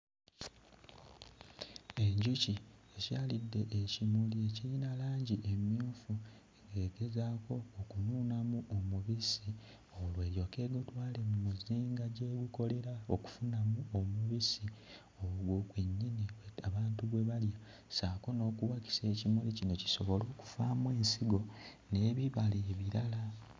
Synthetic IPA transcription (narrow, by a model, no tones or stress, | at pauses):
e̞ɲɟuciecaːlidːe̞ʔecimulie̞ciɾinalaːɲɟiʔe̞mjuːfu | eɡe̞ːɡe̞zaːko̞ːkunuːnamuʔomuβisi | olwe̞ːɾjo̞ke̞ːɡotwaːlemumuziːŋɡaɟeːɡuko̞le̞ɾaoku̥funamuomuβisi | oɡwokweɲːiniweaβaːntuβwe̞βalja | saːko̞no̞ːkuwaki̥se̞ːcimulicinoci̥so̞βo̞lo̞ːku̥faːmwe̞ːnsiɡo̞ | ne̞ːβiβaleːβiɾala